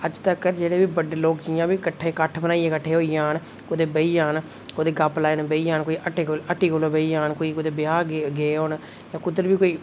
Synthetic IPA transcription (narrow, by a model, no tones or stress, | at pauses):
əd͡ʒt̪əkd͡ʒeːɽeːbiːbəɖeːloːkt͡ʃijãːbiːkəʈʰːeːkəʈʰbənaːiːeːkəʈʰːeːɦoːijãːn | kʊd̪eːbəiːjaːn | kʊd̪eːɡaplaːenbəiːjãːnkoːiːʔəʈeːkoləʈiːkoloːbəiːaːnkoːiːkʊd̪eːbɪaːɡeːɦoːn | jãːkʊd̪əɾbiːkoːiː